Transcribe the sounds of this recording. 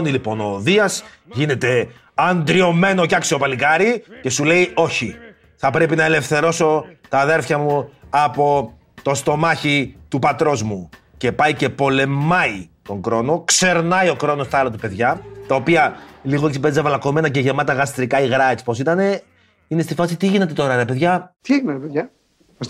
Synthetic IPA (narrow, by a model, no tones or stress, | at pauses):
nilipo̞no̞ːðiɐs | ʝine̞t̪e̞ | ɐnd̪ɾio̞me̞no̞ceɐksio̞pɐlikɐɾice̞sule̞io̞çi | θɐpɾe̞pinɐele̞fθe̞ɾo̞so̞t̪ɐðe̞ɾfçɐmuɐpo̞ | t̪o̞st̪o̞mɐçit̪upɐt̪ɾo̞zmu | ce̞pɐjce̞po̞le̞mɐit̪o̞ŋɡɾo̞no̞kse̞ɾnɐio̞kɾo̞no̞st̪ɐlɐt̪upe̞ðʝɐt̪ɐopiɐliɣo̞eksipe̞zizɐvɐlɐko̞me̞nɐceʝemɐt̪ɐɣɐst̪ɾikɐiɣɾɐet͡spo̞sit̪ɐne̞ | ine̞st̪ifɐsit̪iʝine̞t̪e̞t̪o̞ɾɐɾɐpeðʝɐt̪iinet̪ɐpejɐ